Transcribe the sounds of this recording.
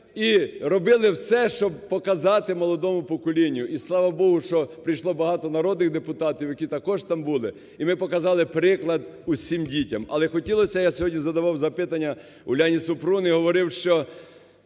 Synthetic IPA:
iɾɔbɪlˠɪwsɛʃt͡ʃɔb̚pɔkɐzɑt̪ɪmɔlˠɔd̪ɔmʊpɔkɔlʲinʲjʊʔislˠɑʋɐbɔɦʊʃt͡ʃɔpɾɪjʃlˠɔbɐɦɑt̪ɔnɐɾɔd̪nɪɣd̪epʊt̪ɑtʲiwjɐkʲit̪ɐkɔʒt̪ɑmbulˠɪ | imɪpɔkɐzɑlˠɪpɾɪklˠɐd̪usʲimdʲitʲɐmɐ̰lˠɛxɔtʲilˠɔsʲɐjasʲɔɦɔdʲnʲizɐd̪ɐʋɑwzɐpɪt̪ɐnʲːɐ | ʊlʲanʲisʊpɾunɪɦɔʋɔɾɪwʃt͡ʃɔ

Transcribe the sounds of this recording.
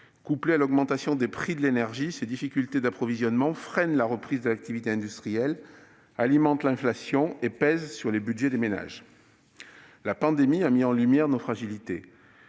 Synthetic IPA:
kuplealɔɡmɑ̃t̪asjɔ̃d̪epχid̪əlenɛʁʒised̪ifikʲylt̪ed̪apχɔvizjɔnmɑ̃fχɛnlaʁəpχizd̪əlak̚t̪ivit̪eɛ̃d̪yst̪χijɛl | alimɑ̃t̪lɛ̃flasjɔ̃epɛzsyʁlebyʒed̪emena̰ʒ | lapɑ̃d̪emiamiɑ̃lymjɛʁnofχaʒilit̪e

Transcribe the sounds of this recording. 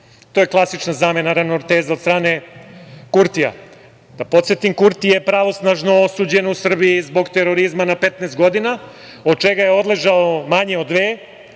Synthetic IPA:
t̪o̞ːje̞klˠasit͡ʃnazame̞naɾanoɾt̪eːzao̞d̪st̪ɾaːne̞ | kuɾt̪ija̰ | d̪̥apo̞t̪sjet̪imkuɾt̪ijepɾaʋo̞snaʒno̞osuːd͡ʑe̞nousr̩biizbo̞ɡt̪e̞ɾo̞ɾizmanapet̪neːst̪̚ɡo̞d̪ina | o̞d̪̚t͡ʃe̞ɡajeo̞d̪le̞ʒaomaɲe̞od̪ʋeː

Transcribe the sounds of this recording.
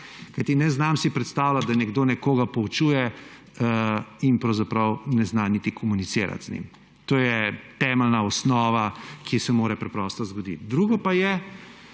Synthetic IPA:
kajt̪inɛznamsipɾɛt̪st̪aːwlat̪̚d̪anɛɡd̪oːnɛkoːɡapɔut͡ʃuːjɛ | inpɾɐwzapɾɐwnɛznanit̪ikʰɔmunit̪seːɾa̰t̪znʲḭm | t̪oːjɛt̪ɛːmɛlnaɔsnɔːʋakisɛmoːɾɛpɾɛpɾɔst̪ɔzɡɔd̪ḭt̪d̪ɾuːɡɔpajɛ

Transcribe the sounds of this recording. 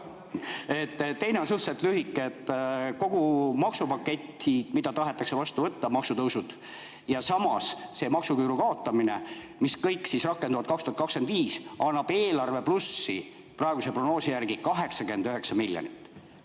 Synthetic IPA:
e̞t̪ːt̪ːe̞jneo̞nsuht̪set̪ːˑlyɦikːˑet̪ːko̞ɡ̥umɑksupɑkːet̪ːi̥mid̪ɑt̪ɑɦe̞t̪ːˑɑkse̞vɑst̪uvɤt̪ːɑmɑksut̪ɤwsud̪̥ | jɑsɑmɑsse̞mɑksukyːɾukɑo̞t̪ːˑɑmine̞ | miskɤjkːˑsisrɑkːˑend̪uvɑt̪̚kɑkst̪uhɑt̪kɑkskend̪viːsɑnːɑb̥e̞ːlɑrve̞plusːḭ | prɑeɡuse̞prono̞ːsijærɡ̥ikɑɦe̞ksɑkyend̪øɦe̞ksɑmilʲjo̰nḭt̪ːˑ

